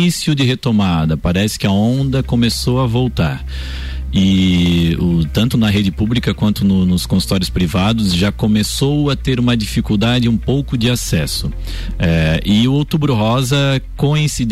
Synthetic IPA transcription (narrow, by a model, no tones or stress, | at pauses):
isjʊd͡ʒɪɦet̪omad̪ɐpaɾɛsɪ̥kɪɐõnd̪ɐkõmesowɐvowt̪aɾ | ɪ | ʊt̪ɐ̃nt̪ʊnɐɦed͡ʒɪpublikɐkwɐ̃nt̪ʊnʊnʊskõsu̥t̪ɔɾjʊspɾivad̪ʊzʒakõmesowɐt̪eɾũmɐd͡ʒifikuwd̪ad͡ʒɪũpowkʊd͡ʒɪasɛsʊ | ɛɪʊowt̪ubɾʊɦɔzɐkõĩsid̪